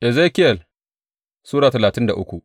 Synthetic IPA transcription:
ʔɛ˨zeː˦kɪ˦jɐ˨l | suː˦ɽaː˨tɐ˨laː˨tɪ˦nda̰˨ʔʊ˦kʷu˨ʔ

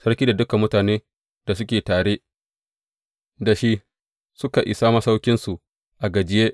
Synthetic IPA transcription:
sɐ˦ɽkʲiː˦da˨dʊ˦ka˨mːʊ˦taː˨neː˦ | d̥a˨s̬ʊ˦kʲeː˨taː˨ɽeː˦ | da˨ʃi˦ | sʊ˦ka˨ʔɪ̰˨saː˦ma˨sa˦wkʲɪ˦nsu˨ | ʔa˨ɡɐ˨d͡ʒɪ˦jeː˦ʔ

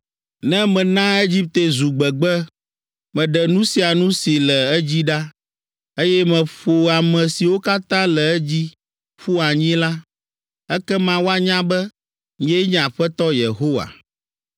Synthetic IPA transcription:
nɛ̃˦mɛ̃˨nã˦e˦d͡ʑi˦p̚t̪e˨zu˨ɡ͡bɛ˨ɡ͡bɛ˦ | mɛ̃˨ɖɛ˨nũ˦si˨a˨nũ˦si˨lɛ˨ɛ˦d͡ʑi˦ɖa˦ | e˦jɛ˦mɛ̃˨ɸo˨a˨mɛ̃˨si˨wo˦ka˦t̪ã˦lɛ˨ɛ˦d͡ʑi˦ | ɸu˦a˨ɲĩ˦la˦ | ɛ˦kɛ˦mã˦wo˦a˦ɲã˦bɛ˦ | ɲɛ̃˦ɲ̃a˨ɸɛ˦t̪ɔ˦je˨ɦo˦wa̰˨

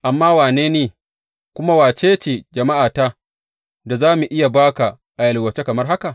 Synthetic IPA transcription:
ʔa˨mːaː˦waː˨neː˦neː˨ | kʷʊ˦ma˦waː˨t͡ʃeː˦t͡ʃeː˨d͡ʒɐ˨ma˦ʔaː˨ta˦ | da˨zaː˦mu˨ʔɪ˦ja˨baː˦ka˨ | ʔa˨jɐ˨lwɐ˨t͡ʃe˦kɐ˨mɐ˦rɦa˦ka˨

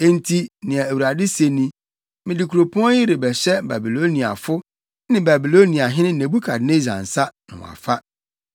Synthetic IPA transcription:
e˦n̩˦tʰi˦nɪ̃˨ɛ˨æ˨wu˨ɾa˨dɪ˦se˨nĩ˦ | mɪ̃˨dɪ˨kʰu˨ɾo˨pʰɔ̃˦jɪ˦ɾe˨bɛ˨ɕɛ˦ba̰˨bi˨lo˦nĩ˨a̰˨fʊ˦ | nɪ̃˦ba˨bi˨lo˦nĩ˨a˨ɦɪ˦nɪ̃˦ne˨bu˦kʰa˨dne˦d͡ʑã̰˨n̩˨sa˦nɪ̰̃˨w̰̃a̰˨fa˦

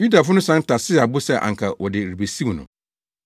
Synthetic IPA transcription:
ju˦da˨fʊ˦nʊ̃˦sã˦n˦tʰa˨sɪ˦˨a˨bʊ˦sɛ˦ʔa̰˨ŋ̩˨kʰa˨wʔɔ˨dɪ˨ɾi˨be˨si˦wnʊ̰̃˨

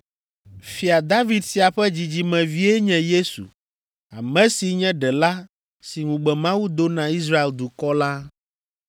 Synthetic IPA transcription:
fi˨a˨d̪a˦vi˨d̪si˨a˨ɸɛ˦d͡ʑi˨d͡ʑi˨mɛ̃˨vi˦ɛ˦ɲɛ̃˨je˦sṵ˨ | a˨mɛ̃˦si˨ɲɛ̃˦ɖɛ˨la˦ | si˨ŋũ˨ɡ͡bɛ˨mã˦wu˦d̪o˦nã˨i˦zɾa˦e˨ld̪u˨kɔ˦la˦

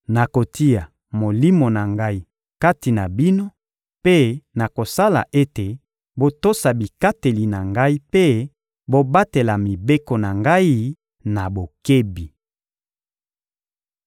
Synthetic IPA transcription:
na˨ko˨ti˦a˨ | mo˨li˦mo˨na˨ŋɡa˦i˦ | ka˦ti˨na˨bi˦no˦ | pe˦na˨ko˨sa˦la̰˨ʔe˦te˨ | bo˨to˦sa˨bi˨ka˦te˨li˨na˨ŋɡa˦i˦pe˦ | bo˨ba˦te˨la˨mi˨be˦ko˨na˨ŋɡa˦i˦ | na˨bo˨ke˦bi˨

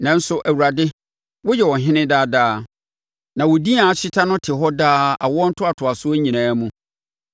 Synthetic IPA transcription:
nɛ̃˨˦n̩˦sʊ˦ʔæ˨wu˨ɾa˨dɪ˦ | wʊ˦jɛ˨wɔ˨ɦɪ̃˦nɪ̃˦daː˦daː˦ | nã˨wɔ˨di˦a˨a˦ɕi˦tʰã˦nʊ̃˦tʰɪ˨ɦɔ˦daː˦a̰˨wɔ˦ɔ˦n̩˦tʰʊ˦a˨tʰʊ˨a˨sʊ˦æ˦ɲĩ˨nãː˦mũ˦

